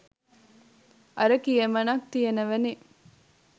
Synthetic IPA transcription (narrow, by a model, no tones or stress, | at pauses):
ʔɐɾɐkijemɐnɐk̚t̪ijenɐʋɐni